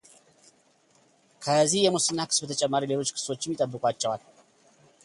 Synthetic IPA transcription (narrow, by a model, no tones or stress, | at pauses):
kʰəzihjɛmusɨnːakɨ̥sbət̪ʰət͡ʃʼɛmːaɾilelo̞t͡ʃːkʰɨ̥sot͡ʃːɪmjit̪ʼəbːɨkʼat͡ʃːɛwan